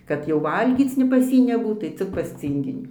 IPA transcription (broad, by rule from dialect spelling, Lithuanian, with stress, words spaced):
kɐt jɛʊ ˈʋɐlʲɡʲiːt͡s nʲɛ pɐs ˈjiː nʲɛˈbuːt tɐɪ ˈt͡sʲɪk pɐs ˈt͡sʲiːŋʲɡʲɪnʲiː